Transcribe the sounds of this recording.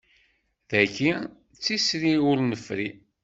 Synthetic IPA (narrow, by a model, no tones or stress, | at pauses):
ðæçi | t͡sːisɾiʊɾnəfɾi